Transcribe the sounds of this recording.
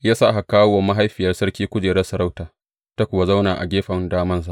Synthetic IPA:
jaː˦saː˦˨ɦa˨kaː˦wwa˨ma˦ɦa˦jɸɪ˨jɐ˦rsɐ˦rkʲiː˦kʷʊ˦d͡ʒeː˨ɽɛ˦sɐ˨ɾa˦wtaː˨ | ta˦kʷʊ˨wa˦za˦wnaː˨ʔa̰˨ɡʲeː˦ɸɐ˨ndaː˦mɐ˦ns̬a˦

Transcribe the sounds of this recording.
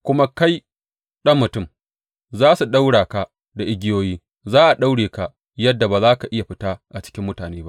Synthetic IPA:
kʷʊ˦ma˦ka˦j | ɗɐ˦mːʊ˨tʊ˦˨m | zaː˦su˨ɗa˦wɽaː˨ka˦ | da˨ʔɪ˦ɡʲɪ˦joː˦jiː˦ | zaː˦ʔa˨ɗa˦wɽeː˨ka˨ʔ | jɐ˦dːa˨baː˨zaː˦ka˨ʔɪ˦ja˨ɸɪ˦taː˦ʔa˨t͡ʃɪ̥˦kʲɪ˦mːʊ˦taː˨neː˦ba̰˦ʔʔ

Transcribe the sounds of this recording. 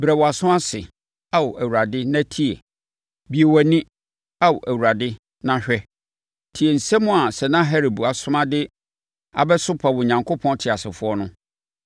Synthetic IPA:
bɾɛ˨wɔ˨a˨sʊ̃˦a˦sɪ̰˨ | a˨wɔ˨ʔæ˨wu˨ɾa˨dɪ˦nã˦tʰi˦ḛ˨ | bi˨e˨wɛ˨nɪ̃˦ | a˦wʊ˨ʔæ˨wu˨ɾa˨dɪ˦ | nã˦ɕᶣɛ˦ | tʰi˨e˨n̩˨sɛ˦mʊ̃˦a˨sɛ˨nã˦ɦɛ˦ɾi˨bu˨a˨sʊ̃˦mã˦dɪ˦ | a̰˨bɛ˦sʊ˦pʰa˨wʊ˨ɲã˨ŋkʰo˦pʰɔ̃˦ntʰɪ˨a˨sɪ˨fʊ˦ɔ˦nʊ̃˦

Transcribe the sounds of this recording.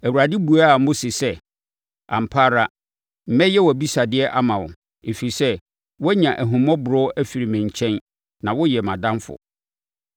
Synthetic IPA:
æ˨wu˨ɾa˨dɪ˦bu˨a˦˨m̩˦mʊ̃˦sɪ˨sɛ˦ | ã̰˨m˨pʰa˦ɾa˦ | m̩˨mɛ̃˦jɛ˦wɔ˨bi˦sa˨dɪ˦ɛ˦ʔa˦mã˨wʊ˨ | e˨fi˨ɾi˨sɛ˦ | wɔ˦ɲã˨ʔæ˨ɦũ˨mɔ̃˦bʊ˨ɾʊ˦æ˦fi˨ɾi˨mɪ̃˨ɲ˨t͡ɕʰɛ̃˦n | nã˨wɔ˦jɛ˨mã˨dã˦nfʊ̰˨

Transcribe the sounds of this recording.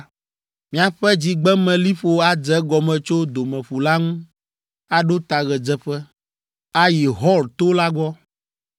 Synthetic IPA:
mĩ˨˦a˨ɸɛ˦d͡ʑi˨ɡ͡bɛ˦mɛ̃˨li˦ɸo˨a˦d͡zɛ˦ɡɔ˨mɛ̃˨t͡ʃo˦d̪o˨mɛ̃˨ɸu˨la˦ŋũ˦ | a˨ɖo˦t̪a˨ɣɛ˨d͡zɛ˦ɸɛ˦ | a˦ji˨ɦɔ˦lt̪o˦la˦ɡɔ˦

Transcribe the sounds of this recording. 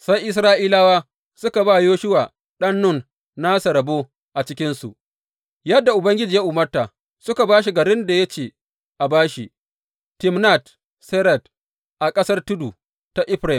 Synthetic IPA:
sa˦jʔɪ˦sɾaː˦ʔiː˦laː˦waː˦ | sʊ˦ka˨baː˦˨joː˦ʃʊ˦waː˨ | ɗɐ˦nːʊ˦˨n | na˦sa˨ɾɐ˨bo˦ | ʔa˨t͡ʃɪ˦kʲɪ˦nsṵ˨ʔ | jɐ˦dːa˨ʔʊ˨bɐ˦ŋɡʲɪ˦d͡ʒiː˨ja˦ʔuː˨mɐ˦rta˨ | sʊ˦ka˨baː˦ʃ̬i˨ɡɐ˨ɾɪ˦nda˨jɐ˦t͡ʃeː˨ | ʔa˨baː˦ʃi˨ | tɪ˦mna˦˨t | sɛ˦ɾɐ˨d | ʔa˨kʼɐ˦sɐ˦rtʊ˦du˨ | ta˨ʔɪ˦ɸɾa˨

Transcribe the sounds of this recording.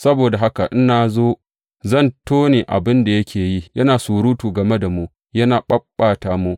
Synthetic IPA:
sɐ˦boː˨da˨ɦa˦ka˨ʔɪ˦naː˨zoː˦ | zɐ˦˨ntoː˦neː˨ʔa̰˨bɪ˦nda˨jɐ˦kʲeː˨ji˦jɐ˦naː˨suː˨ɾuː˦tuː˨ɡɐ˨me˦da˨mu˦ʔ | jɐ˦naː˨ɓɐ˦bːaː˨taː˨mu˦ʔ

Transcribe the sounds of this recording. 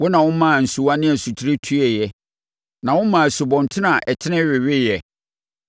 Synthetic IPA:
wɔ˦nã˨wʊ̃˦mã˦˨n̩˨su˨wa˦nɪ̃˦æ˨su˨t͡ɕʰi˦ɾe˦tʰu˦ɛ˨jɛ˨ | nã˨wʊ̃˦mã˨æ˨su˨bɔ̃˨n˨tʰɪ˦nã˨ʔɛ˨tʰɪ˦nɪ̃˦ɥɪ˨ɥɪ˦jɛ˨

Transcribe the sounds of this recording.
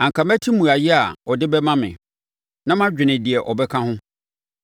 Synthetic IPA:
ã˨ŋkʰa˨mæ˦tʰi˦mũ˨a˨jɪ˦a˨ɔ˨dɪ˦bɛ˦mã˦mɪ̰̃˨ | nã˦mã˦d͡ʑᶣɪ˨nɪ̃˨di˨ɛ˨ʔɔ˨bɛ˦kʰã˦hʊ̃˦

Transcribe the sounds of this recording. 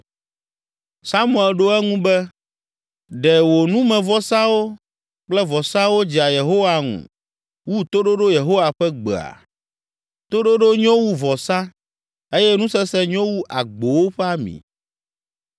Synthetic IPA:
sa˦mũ˦˨ɛ˨lɖo˦ɛ˦ŋũ˦bɛ˦ | ɖɛ˨wo˨nũ˦mɛ̃˨vɔ˦sã˦wo˦ | k͡plɛ˦vɔ˨sã˦wo˦d͡ʑi˨a˨je˨ɦo˦wa˨ŋṵ̃˨ | wu˦t̪o˦ɖo˦ɖo˦je˨ɦo˦wa˨ɸɛ˦ɡ͡be˨a̰˨ | t̪o˦ɖo˦ɖo˦ɲɔ̃˦wu˦vɔ˨sã˦ | e˦jɛ˦nũ˦sɛ˦sɛ˦ɲɔ̃˦wu˦ʔa˨ɡ͡bo˨wo˦ɸɛ˦a˦mḭ̃˨

